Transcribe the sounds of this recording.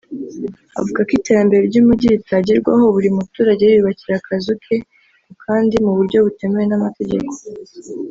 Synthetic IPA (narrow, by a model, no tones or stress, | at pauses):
a̰vuɡakite̞ɾambe̞ɾeɾɟumuɟiɾitaɟeɾɡwa̰ho̞βuɾimutuːɾaɟe̞jβiβaciɾakʰazukʰe | kʰaːndimuβuɾɟo̞βute̞mewenamate̞ɟe̞ko̞̥